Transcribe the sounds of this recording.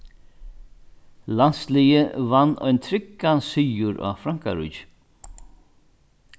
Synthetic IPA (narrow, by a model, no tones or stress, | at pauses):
lanslijɪvanːɔ̰jnt̪ʰɾɪkːansʏːjʊɾʔa̰fɾaŋ̥ka̰ɾʏ̰t͡ʃ